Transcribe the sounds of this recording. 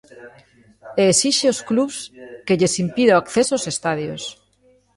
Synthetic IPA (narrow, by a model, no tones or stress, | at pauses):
eːsiʃeoskluβskeʎesimpiðeoakθesoosest̪aðjos